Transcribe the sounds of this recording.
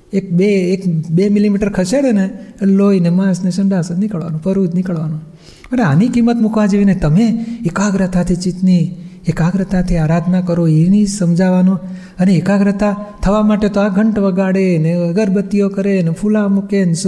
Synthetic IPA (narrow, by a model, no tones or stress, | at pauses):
ek̚beːkbemilimiʈəɾkʰəseɽeneloinemãsneʃəɳɖasnɪkəɭʋa̰nũpəɾud͡ʒnɪkəɭʋanũ | pəneanikimːət̪mukʋad͡ʒeʋinet̪əmeekaɡɾət̪ʰat̪ʰit͡ʃit̪niekaɡɾət̪at̪ʰiaɾad̪ʱnakəɾoinisəmd͡ʒʱaʋanũ | əneikaɡɾət̪at̪ʰəʋamaʈet̪oaɡʱəɳʈʋəɡaɽeneɡəɾbət̪ːijokəɾenepʰulamuken